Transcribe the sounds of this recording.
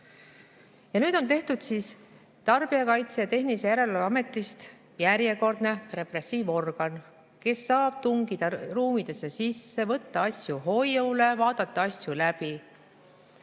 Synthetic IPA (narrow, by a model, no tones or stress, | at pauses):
jɑnyːd̪̥o̞nt̪e̞ht̪ud̪̥siːs | t̪ɑrb̥iɑkɑjt̪sejɑt̪e̞ɦnisejæɾe̞leɑme̞t̪ːˑist̪ | jæɾjeko̞rd̪̥ne̞re̞pre̞siːvo̞rɡ̥ɑn | ke̞sːɑːb̥̚t̪uŋɡid̪̥ɑruːmid̪̥e̞sːe̞sisːe̞vɤt̪ːɑɑsjuɦo̞jjowle̞vɑːd̪̥ɑt̪ːɑɑsjulæb̥i